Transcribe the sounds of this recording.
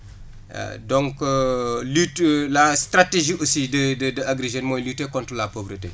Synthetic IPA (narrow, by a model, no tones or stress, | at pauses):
dɔ̃ŋkəlytlastɾateʒiosidədədəaɡɾeʒenmɔːjlytːekɔ̃ntɾəlapovɾətḛ